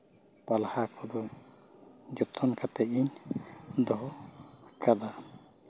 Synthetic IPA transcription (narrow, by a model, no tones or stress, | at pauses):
palhakʰɔd̪ɔ | d͡ʒɔt̪ʰɔnkat̪ɛʔiɲ | d̪ɔɦɔkad̪a